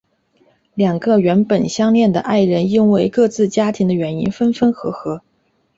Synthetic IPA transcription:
ljɑ˨˩ŋɡə˧ɥɛ˧˥npə˨˩nɕjɑ˥ŋljɛ˥˩nd̪ə̰˩ʔa˥˩ɪɻə˧˥ni˥nwe˥˧ɪkɤ˥˧t͡sɹ̩˥˩t͡ɕja˥t̪ʰi˧˥ŋd̪ə˧ɥɛ˧˥nḭ˥nfə˥nfə˥nxɤ˧˥xɤ˧˥

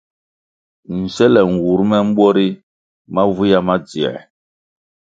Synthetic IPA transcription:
n̩˨sɛ˦lɛ˨ŋ̩˨wu˨˦ɾmɛ˦m̩˦ɓwɔ˦ɾi˦ | ma˦vu˦ja˦ma˦d͡zi˨ɛ̰˨

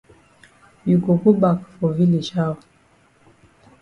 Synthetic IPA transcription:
ju˨ko˨ku˦ba˨kfo˨vi˦li˨ʃa˦˨w

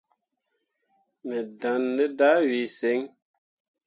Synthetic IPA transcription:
mɛ˨da˨nːə˦da˦wi˨se˨˦ŋ

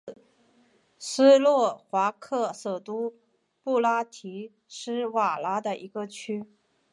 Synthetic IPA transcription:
sɹ̩˥lwɔ˥˩xwa˧˥kʰɤ˥˩sɤ˨˩t̪u˥ | pu˥˩la˥t̪ʰi˧˥ | ʂɻ̩˥˩wa˨˩la˧˥d̪ə˨ʔi˧˥ɡə˧t͡ɕʰy˥

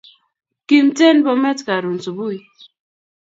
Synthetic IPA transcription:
ki˨mte˦nbɔ˦mɛ˦tka˨ɾu˨nsu˨bu˦i˨˦

